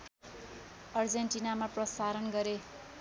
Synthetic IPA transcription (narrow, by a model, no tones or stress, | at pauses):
ʌrd͡zenʈinamaprʌsaɾʌnɡʌɾe